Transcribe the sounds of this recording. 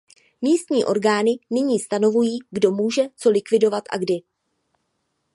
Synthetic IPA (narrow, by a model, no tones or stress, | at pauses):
miːst̪ɲiːʔo̞ɾɡaːnɪnɪɲiːst̪ano̞vujiːɡdo̞muːʒɛt͡so̞lɪkvɪdo̞vat̪ʔa̰ɡdɪ